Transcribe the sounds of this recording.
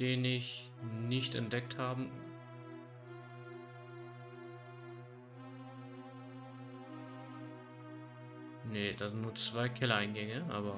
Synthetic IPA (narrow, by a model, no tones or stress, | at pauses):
d̥eːnɪç | nɪçtɛ̰nt̚d̥ɛk̚thaːbə | nəd̥azɪntnuːɐt͡sv̥aɪkʰɛlɐaɪnɡɛŋəʔa̰ːbɐ